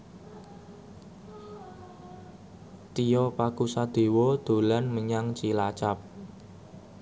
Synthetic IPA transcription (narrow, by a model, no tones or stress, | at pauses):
t̪ijɔpakusad̪̥e̤wɔd̪̥o̤lanməɲaŋt͡ʃilat͡ʃap̚